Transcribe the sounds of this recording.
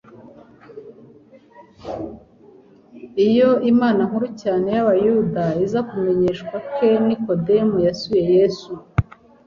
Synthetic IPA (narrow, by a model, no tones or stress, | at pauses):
ijo̞imaːnaŋ̥huɾucaːne̞jaβajudaizakume̞ɲe̞ːʃkwakeniko̞demujasuje̞je̞su